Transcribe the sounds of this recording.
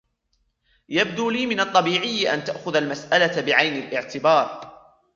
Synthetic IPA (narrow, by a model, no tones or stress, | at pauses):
jab̚d̪uːliːmɪnɑt̪ˤːɑbiːʕɪjːʔa̰nt̪aʔxʊðalmasʔalabɪʕajnalʔɪʕt̪ɪbɑːɾˤ